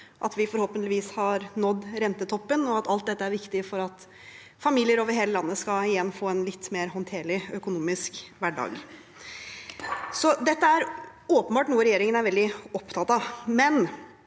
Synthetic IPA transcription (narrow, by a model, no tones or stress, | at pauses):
ʔɑ̰t̪ʋɪfɔɾhoːpənt̪lɪʋiːshɑɾnɔd̪ːɾɛnt̪ət̪ʰɔpːənɔɑt̪ɑlt̪d̪ɛt̪ːəæɾʋɪkt̪ɪfɔɾɑt̪ | fɑmiːlɪəɾoːʋəɾɦeːləlɑnːəskɑɪjɛnːfoːɛnlɪt̪ːmeːɾɦɔnt̪ʰeːɭɪœkʊnuːmɪskʋæɖɑ̰ːɡ | sɔd̪ɛt̪ːəæɾoːpənbɑːʈnuːəɾɛjeːɾɪŋənæɾʋɛld̪ɪɔpt̪ʰɑt̪ɑmɛn